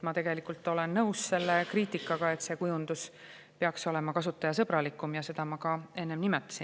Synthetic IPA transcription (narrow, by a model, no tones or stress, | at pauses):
mɑt̪e̞ɡ̥e̞likult̪ːˑo̞le̞nːɤwsse̞lːe̞kriːt̪ˑikːˑɑɡ̥ɑe̞t̪se̞kujund̪̥us | peɑkso̞le̞mɑkɑsut̪ːˑɑjɑs̬ɤ̞bɾɑlikːˑumjɑse̞d̪̥ɑmɑkɑe̞nːe̞mnimɛt̪ˑːɑ̥sin